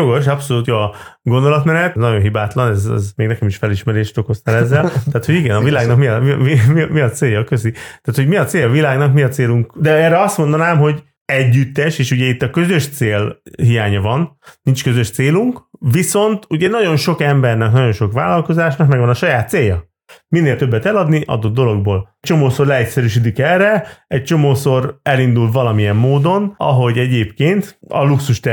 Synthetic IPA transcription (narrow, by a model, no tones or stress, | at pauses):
oɡo̞ʃɒpso̞luːt̪joɒɡo̞nd̪o̞lɒt̪mɛnɛt̪nɒɟo̞nɦibaːt̪lɒnɛzɛ̰zmeːɡnɛkɛmiʃfɛliʃmɛɾeːʃt̪o̞ko̞st̪alɛzːɛlt̪aːt̪ho̞ɟiɡɛnɒvilaːɡnɒkmiɒmimimimiɒt̪seːjɒːkøzit̪aːt̪ho̞ɟmiɒt̪seːɒvilaːɡnɒkmiɒt̪seːluŋkd̪ɛɛːrːɛɒst̪mo̞nd̪ɒnaːmɦo̞ɟ | ɛɟːyt̪ːɛʃeːʃuɟɛit̪ːɒkø̞zø̞ʃt̪seːlɦijaːɲɒvɒnnint͡ʃkøzø̞ʃt̪seːluŋkviso̞nt̪uɟɛnɒɟo̞nʃo̞kɛmbɛrnɛknɒɟo̞nʃo̞kʋa̰ːlɒlko̞zaːʃnɒkmɛɡvɒnɒʃɒjaːt̪seːjɒ | minːeːlt̪ø̞bːɛt̪ɛlɒd̪niʔɒ̰d̪o̞d̪ːo̞lo̞ɡ̚boːlt͡ʃo̞moːso̞rlɛɛcʲsɛɾyʃ̬id̪ikɛrɛɛc̚t͡ʃo̞moːso̞rɛlind̪ulvɒlɒmijɛmːoːd̪o̞nɒ̰ɦo̞ɟɛɟeːpkeːnt̪ɒ̰luksuʃt̪ɛ